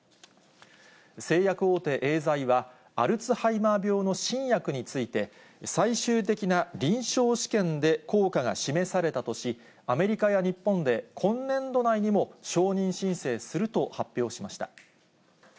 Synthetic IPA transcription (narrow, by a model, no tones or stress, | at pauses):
se̞ːjakɯ̟o̞ːt̪e̞ːʔe̞ːzaiβa | aɾɯ̟t͡sɨhaimabʲo̞ːno̞ɕĩɰ̃jakɯ̟ɲ̟it͡sɨit̪e̞ | saiɕɨːt̪e̞kʲinaɾʲĩɰ̃ɕo̞ːɕi̥kẽ̞nd̪e̞ko̞ːkaɡa̰ɕime̞saɾe̞t̪at̪o̞ɕi | ame̞ɾʲikajaɲ̟ipːõ̞nd̪e̞kʰõ̞nːẽ̞nd̪o̞naiɲ̟imo̞ɕo̞ːɲ̟ĩɰ̃ɕĩɰ̃se̞ːsɨɾɯ̟t̪o̞hapʲːjo̞ːɕimaɕi̥t̪a